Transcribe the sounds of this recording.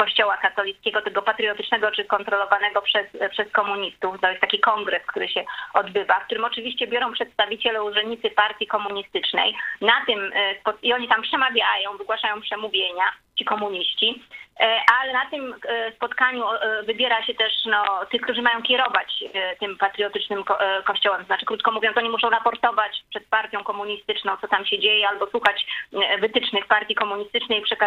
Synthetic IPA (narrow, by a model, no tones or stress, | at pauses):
kɔɕt͡ɕɔwakat̪ɔlʲit̪skʲɛɡɔt̪ɛɡɔpat̪ɾɨjɔt̪ɘt͡ʂnɛɡɔt͡ʂɘkɔnt̪ɾɔlɔvanɛɡɔpʂɛspʂɛskɔmuɲist̪uft̪ɔjɛst̪ːakʲikɔŋɡɾɛskt̪uɾɘɕɛɔd̪bɘvafk̚t̪uɾɘmɔt͡ʂɘvʲiɕt͡ɕɛbʲjɔɾɔ̃w̃pʂɛt̪st̪avʲit͡ɕɛlɛuʐɛnɲit̪sɘpaɾt̪ʲikɔmuɲist̪ɘt͡ʂnɛ̰jnat̪ɘmspɔt̪iɔɲit̪ampʂɛmavʲjajɔ̃w̃vɘɡwaʂajɔ̃w̃pʂɛmuvʲjeɲat͡ɕikɔmuɲiɕt͡ɕi | ʔalɛnat̪ɘmspɔt̪kaɲuvɘbʲjɛɾaɕɛt̪ɛʂnɔt̪ɘxk̚t̪uʐɘmajɔ̃w̃kʲɛɾɔvat͡ɕt̪ɘmpat̪ɾɨɔt̪ɘt͡ʂnɘmɔkɔɕt͡ɕɔwɛmt̪ɔznat͡ʂɘ̥kɾut̪̚kɔmuvʲjɔ̃t̪ɔɲimuʂɔ̃w̃ɾapɔɾt̪ɔvat͡ɕpʂɛt̪̚paɾt̪ʲjɔ̃w̃kɔmuɲist̪ɘt͡ʂnɔ̃w̃tsɔt̪amɕɛd͡ʑejɛalbɔswuxat͡ɕvɘt̪ɘt͡ʂnɘxpaɾt̪ʲjikɔmuɲist̪ɘt͡ʂnɛjpʂɛka